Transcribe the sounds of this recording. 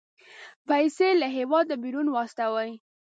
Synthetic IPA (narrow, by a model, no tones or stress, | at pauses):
pajselaɦewɑd̪̚ːəbiɾunwɑst̪awaj